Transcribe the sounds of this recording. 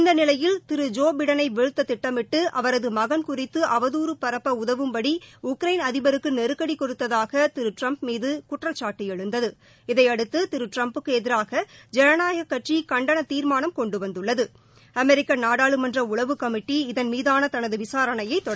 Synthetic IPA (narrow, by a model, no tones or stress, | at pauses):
ɪnd̪ɐnɪlɐjɪlt̪ɪɾɯd͡ʒoːbɪɽɐnɐɪʋɛɻɯt̪ːɐt̪ɪʈːɐmɪʈːɯʔɐʋɐɾɐðɯmɐɣɐnkʊrɪt̪ːɯʔɐʋɐðuːɾɯpɐɾɐpːɐʊðɐʋɯmpɐɽiʊkɾɐɪnɐðɪbɐɾɯkːɯnɛɾɯkːɐɽikːɔrɯt̪ːɐðaːɣɐt̪ɪɾɯʈrɐmpmiːðɯkʊʈrɐt͡ʃːaːʈːijɛɻɯnd̪ɐðɯ | ɪðɐɪɐɽɯt̪ːɯt̪ɪɾɯʈrɐmpɯkːɯɛðɪɾaːɣɐd͡ʒɛɾɐnaːɣɐkːɐʈrikɐɳɖɐɳɐt̪iːɾmaːnɐmkɔɳɖɯʋɐnd̪ɯɭːɐðɯ | ɐmɛɾɪkːɐnaːɽaːɭɯmɐndrɐʊɭɐʋɯkɐmɪʈːiɪðɐnmiːðaːnɐt̪ɐnɐðɯʋɪsaːɾɐɳɐjɐɪt̪ːɔɽɐ